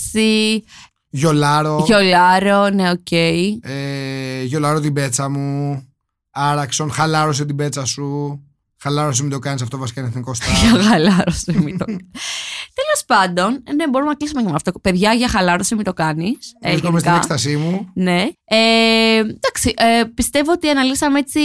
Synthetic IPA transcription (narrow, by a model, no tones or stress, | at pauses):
si | ʝo̞lɐɾo̞ʝo̞lɐɾo̞neoce̞ieʝo̞lɐɾot̪ibe̞t͡sɐmu | ɐɾɐkso̞nxɐlɐɾoset̪̬ibe̞t͡sɐsu | xɐlɐɾos̬imid̪o̞kɐnis̬ɐft̪o̞vɐsikɐineθniko̞st̪ɐʝɐxɐlɐɾosemit̪o | t̪e̞lo̞spɐnd̪o̞nnebo̞ɾumenɐklisumecemɐft̪ope̞ðʝɐʝɐxɐlɐɾosimit̪o̞kɐnisesomestkiɐesst̪ɐsimune̞e | d̪̥ɐksiʔepist̪e̞voot̪iɐnɐlisɐmeet͡si